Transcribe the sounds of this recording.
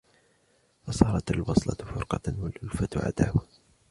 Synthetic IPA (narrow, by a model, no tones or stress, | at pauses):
fɑsˤɑːɾˤɑt̪alwɑsˤlɑfʊɾqɑwalʔʊlfat̪ʕa̰d̪a̰ːh